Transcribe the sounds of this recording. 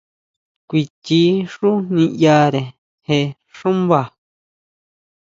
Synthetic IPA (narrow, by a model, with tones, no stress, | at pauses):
kʷi˧t̪i˦ʂu˦nĩ˧ja˧ɾe˨ | he˧ | ʂũ˦mβa˨